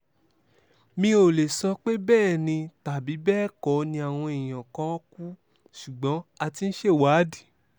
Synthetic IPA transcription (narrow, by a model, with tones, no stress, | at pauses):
mĩ˧˦o˨le˨sɔ˧k͡pe˦bɛː˦˨nĩ˧ta˨bi˨˦bɛː˦˨kɔ˨˦nĩ˧a˨w̃ɔ̃˧i˨j̃ã˨kã˧ɔ˦ku˦ | ʃu˨ɡ͡bɔ̃˨˦a˧ti˧n̩˦ʃe˦˨waː˨˦di˦˨